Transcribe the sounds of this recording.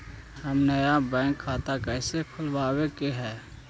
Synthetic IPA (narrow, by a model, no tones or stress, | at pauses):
həmnəjabɛ̃ːŋkʰːaːt̪akɛːsekʰʊlwaːwekeɦɛː